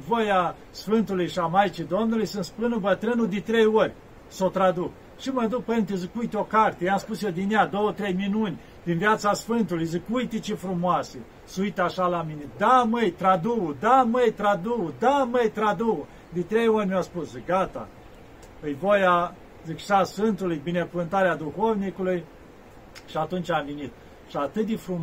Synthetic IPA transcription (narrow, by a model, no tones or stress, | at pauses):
voja | sfɨnt̪ulujʃamajt͡ʃid̪o̞mnulujsɨnt̪spɨnɨbət̪ɾɨnud̪et̪ɾejorʲ | sot̪ɾad̪uk̚ | ʃiməd̪uk̚pent̪ezikujt̪eo̞kart̪ejamspusjed̪inejad̪owət̪ɾejminunʲ | d̪̥invjat̪sasfɨnt̪ulujzikujt̪it͡ʃifɾumoase | sujt̪aʃalamined̪aməjt̪ɾad̪uud̪aməjt̪ɾad̪uud̪aməjt̪ɾad̪uu | d̪et̪ɾejonʲmʲaspuszɡat̪a̰ | ɨjvoja | zikʃasfɨnt̪ulujbine̞kuvɨnt̪aɾead̪uxovnikuluj | ʃiat̪unt͡ʃʲamvenit̪̚ | ʃiat̪ɨt̪̚d̪efɾum